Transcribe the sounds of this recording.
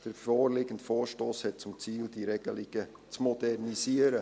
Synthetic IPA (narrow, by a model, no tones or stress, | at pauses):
d̪̥əɾfoːrlɪɡəntfoːɾʃtoːshɛt̚t͡sʊmt͡siːldiɾɛɡ̥əliɡ̥ə | t͡smɔdɛrnisiəɾə